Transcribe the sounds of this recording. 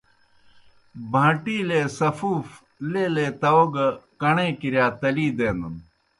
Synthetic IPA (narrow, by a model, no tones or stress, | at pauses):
bʱãːʈiːleːsɐfuːf | leːlet̪ɐoɡkɐɳẽːkiɾjaːt̪ɐliːd̪eːnd̪ɐn